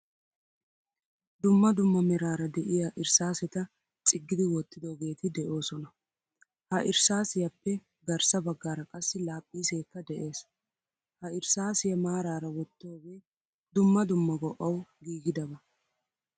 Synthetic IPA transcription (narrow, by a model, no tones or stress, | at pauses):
d̪ʊmːɐd̪ʊmːɐmɪɾaːɾɐd̪ɛʔɪjɐʔɪɾsaːsɛt̪ɐ | t͡sʼɪɡːɪd̪ɪwɔt̪ːɪd̪oɡe̞ːt̪ɪd̪ɛʔo̞ːsɔnɐ | hɐʔɪɾsaːsɪjɐpːɛ | ɡɐɾsɐbɐɡːaːɾɐkʼɐsːɪlaːpʼːiːse̞ːkːɐd̪ɛʔe̞ːs | hɐɪɾsaːsɪjɛmaːɾaːɾɐwɔt̪ːo̞ːɡeː | d̪ʊmːɐd̪ʊmːɐɡɔʔːɐwɡiːɡɪd̪ɐbɐ